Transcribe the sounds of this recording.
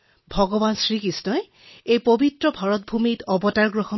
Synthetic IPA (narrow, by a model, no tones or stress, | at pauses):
bʱɔɡɔbansɹikisnɔj | ejpobitɹɔbʱaɹɔt̚bʱumitɔbɔtaɹɡɹɔxɔ